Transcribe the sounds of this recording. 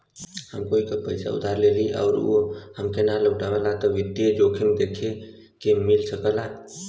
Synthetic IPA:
həmkoːikapəɪsa̰ṵd̪ʱaɾleliʔa̰ʊɾṵhəmkenaləɡʈabəlat̪ɔʋid̪ijed͡ʒokʰemed̪ekʰe | kemilsəkəla

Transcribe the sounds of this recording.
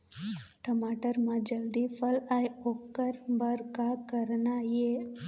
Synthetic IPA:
ʈəmaːʈəɾmãd͡ʒəld̪ipʰəlajokːəɾbəɾkakəɾnaje

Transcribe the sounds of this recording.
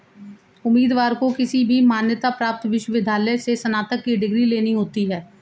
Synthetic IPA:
ʊmːiːd̪ʋaːɾkokɪsibʱimaːnjət̪apɾaːp̚t̪ʋɪʃwəʋɪd̪ʱjaːləjsesənaːt̪əkːiɖɪɡɾileːniɦoːt̪iɦɛː

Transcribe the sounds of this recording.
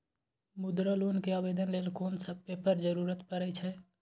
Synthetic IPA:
mud̪ɾəlonkeabed̪ənleːlkoːnsəb̚pepəɾd͡ʒəɾuɾət̪pəɾɛt͡ʃʰɛ

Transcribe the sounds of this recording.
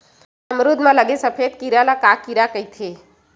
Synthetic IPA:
əmɾud̪mãləɡesəpʰed̪̚kiɾalakakiɾakəit̪ʰe

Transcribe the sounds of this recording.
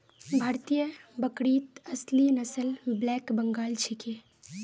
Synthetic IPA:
bʱaːɾt̪ijəbəkɽiːt̪əslinəsəlblɛːkbəŋɡaːlt͡ʃʰike

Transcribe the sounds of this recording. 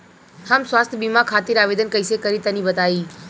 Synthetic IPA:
hamsʋaːst̪ʰəbimakʰaːt̪iɾaʋeːd̪ənkəjsekəɾit̪ənibət̪aiː

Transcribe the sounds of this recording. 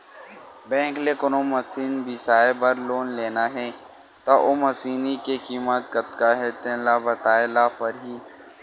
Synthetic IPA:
bɛ̃ːŋkleːkʊnomɐsiːnbʱisaːebɐɾloːnleːnaɦɛː | t̪aʔomɐsiːnikekiːmət̪ɡɐt̪kaɦɛt̪ẽlabɐt̪aːelapɐɾɦiː

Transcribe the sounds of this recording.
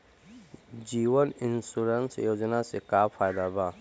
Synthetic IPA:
d͡ʒiːʋənɪnsuɾənsḛjoːd͡ʒnasekaːfʰaːjd̪aːbaː

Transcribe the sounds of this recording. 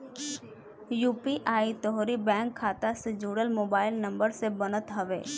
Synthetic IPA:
juːpiʔaːit̪ɔɦɾibɛ̃ːŋkʰːaːt̪ased͡ʒuːɽəlmoːbaːɪlnɐ̃mbəɾsebənət̪ɦəʋḛː

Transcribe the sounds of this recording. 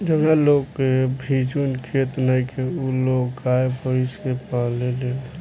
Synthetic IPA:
d͡ʒəbnalokebʱid͡ʒunkʰet̪nəikʰeuloɡɡaepəɾiskepalelel

